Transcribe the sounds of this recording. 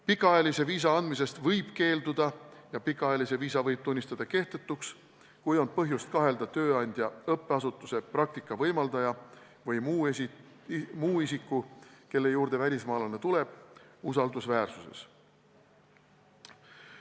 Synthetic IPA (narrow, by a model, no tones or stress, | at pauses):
pikːˑɑɑjelise̞viːs̬ɑɑnd̪mis̬e̞st̪vɤjb̥ke̞ːld̪ud̪̥ɑjɑpikːˑɑɑjɑlise̞viːsɑvɤjb̥̚t̪unʲːist̪ɑd̪̥ɑke̞ht̪e̞t̪ːˑuks | kujo̞n̚pɤɦjust̪̚kɑɦe̞ld̪̥ɑt̪ø̞ːɑnʲd̪̥ʲjɑɤpːˑeɑsut̪ːˑuse̞prɑk̚t̪ikːˑɑvɤjmɑld̪ɑjɑ | vɤjmu | muːisikːˑuke̞lːe̞juːɾd̪̥e̞vælʲismɑːlɑnet̪ule̞b̥usɑld̪usvæːrsuse̞̰s